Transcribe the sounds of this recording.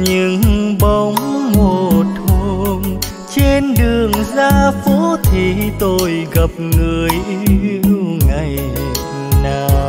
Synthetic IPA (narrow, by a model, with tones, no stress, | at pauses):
ɲɨ˧˥ŋɓə˧˦wŋ͡mmo˨˩t̚hu˧ŋ | t͡ɕe˧nɗɨ˨˩əŋzaː˧fo˧˦˥t̪ʰi˨˩t̪o˧jɣə˨˩p̚ŋɨ˨˩əjʔi˧wŋa˨˩j | naː˨˩